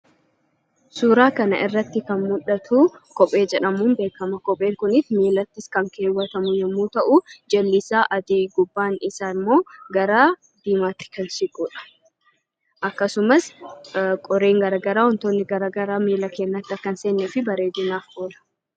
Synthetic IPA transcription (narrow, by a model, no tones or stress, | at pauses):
suːɾaːkɐnɐ̰ʔɪrːɐt̪ːɪkɐnmʊᶑɐt̪ʰuːkɔpʼe̞ːd͡ʒɛᶑɐmuːmbe̞ːkɐmɐkɔpʼe̞ːŋkʊnɪtmiːlɐt̪ːɪskɐŋke̞ːwːɐt̪ɐmʊjɛmːuːt̪ɐʔʊd͡ʒɐlːɪsaːʔɐd̪iːɡʊbːaːnɪsaːnmo̞ːɡɐɾaː | d̪̥iːmaːt̪ːɪ̥kɐnsɪɡʼuːᶑɐ̥ | ʔɐkːɐsʊmɐs | kʼɔɾeːŋɡɐɾaːɡɐɾaːwɔnt̪oːnːɪɡɐɾaɡɐɾaːmiːlɐke̞ːnːɐt̪ːɪɐkːɐnse̞ːnːɛfɪbɐɾe̞ːd̪ɪnaːfʔoːlɐ̥